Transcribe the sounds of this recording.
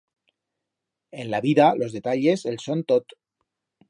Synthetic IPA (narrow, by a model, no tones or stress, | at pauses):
enlaβiðalozðet̪aʎezelsont̪ot̪